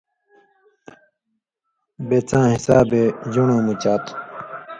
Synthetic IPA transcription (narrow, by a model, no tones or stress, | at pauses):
bet͡sãːɦisaːbed͡ʑuɳõːmut͡ɕaːt̪